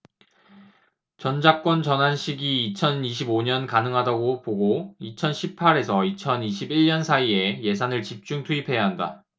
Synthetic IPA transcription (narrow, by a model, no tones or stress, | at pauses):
t͡ɕʌnd͡ʑak͈wʌnt͡ɕʌnɦanɕʰiɡiːt͡ɕʰʌniɕ̬ʰiboɲʌnkanɯŋɦadaɡopoɡoit͡ɕʰʌnɕʰipʰaɾe̞sʰʌit͡ɕʰʌniɕʰibiɭɲʌnsʰaie̞je̞sʰanɯɭt͡ɕip̚t͡ɕ͈uŋtʰuipʰe̞jaɦanda̰